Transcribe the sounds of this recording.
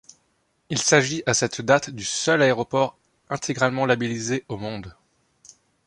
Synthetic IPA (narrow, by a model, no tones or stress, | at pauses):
ilsaʒiʔasɛt̪d̪at̪d̪ysœlaeʁɔpɔʁ | ɛ̃t̪ʰeɡʁalmɑ̃labilizeomɔ̃d̪